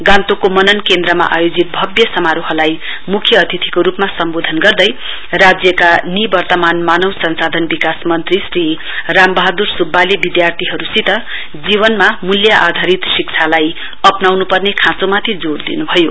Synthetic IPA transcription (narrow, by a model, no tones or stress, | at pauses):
ɡãnt̪okomʌnʌnkend̪rʌma̰ʔajod͡zit̪̚bʱʌbjʌsʌmaɾoɦʌlaj | mukʰjʌːt̪ʰit̪ʰikoɾupmasʌmbod̪ʱʌnɡʌrd̪ʌj | rad͡zjʌkanibʌrt̪ʌmanmanʌwsʌnsad̪ʱʌnbikasmʌnt̪risri | rambʌɦad̪ursubːalebid̪jart̪ʰiɦʌɾusit̪ʌ | d͡ziβʌnmamuljaʔad̪ʱaɾit̪sikt͡sʰalaj | ʌpnawnupʌrnekʰãt͡somat̪ʰid͡zord̪ḭnubʱʌjo